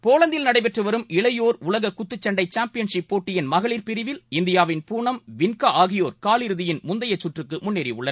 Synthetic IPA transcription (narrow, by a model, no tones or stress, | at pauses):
poːlɐnd̪ɪlnɐɽɐɪp̬ɛʈrɯʋɐɾɯmɪɭɐjoːɾʊlɐɣɐkʊt̪ːɯt͡ʃːɐɳɖɐɪt͡ʃaːmpɪjɐnʂɪpːoːʈːɪjɪnmɐɣɐɭiːɾpɪɾɪʋɪlɪnd̪ɪjaːʋɪnpuːɳɐmʋɪnkɐaːɣɪjoːɾkaːlɪɾɯðɪjɪnmʊnd̪ɐjɐt͡ʃːʊʈrɯkːɯmʊnːeːɾɪʊɭːɐ